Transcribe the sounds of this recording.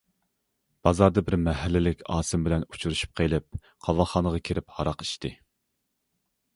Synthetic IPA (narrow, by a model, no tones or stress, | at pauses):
b̥ɑzɑɾd̪ɑbɪɾmɛɦɛlːɪlɪkʲʰɑːsɪmbɪlɛnu̥t͡ʃʰuɾuʃy̥p̚qʰelˠɪp̚ | qʰɑvɑlˠχɑːnəʁɑkʲʰeɾɪphɑɾɑqi̥ʃt̪ɪ